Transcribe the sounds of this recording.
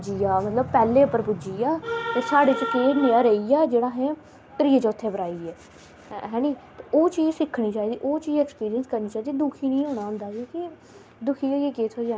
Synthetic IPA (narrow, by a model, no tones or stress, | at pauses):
d͡ʒiːjaːmət̪ləb̚pɛːlːeːʊpːəɾpʊd͡ʒiːjaːt̪eːsaːɽeːt͡ʃəkeːneaːɾəijaːd͡ʒeːɽaːɦɛ̃ː | kəɾiːət͡ʃːʊt̪ʰːeːbəɾaːiːɛː | ɦɛ̃ːniːt̪eoːt͡ʃiːzsɪkʰɽiːt͡ʃaːiːd̪iːʔoːt͡ʃiːzɛːkspiːɾijənskəɾniːt͡ʃaːiːd̪iːd̪uːkʰiːnĩːɦoːɽaːɦʊ̃nd̪aːkõːkɪ | d̪ʊkʰiːoekeːt̪ʰoːiaː